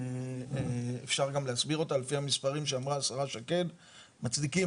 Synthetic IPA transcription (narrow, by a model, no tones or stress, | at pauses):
ḛfʃaʁɡamleasbiʁo̞talefihamispaʁimʃeamʁaːsaʁaʃake̞d | mat͡sd̪iki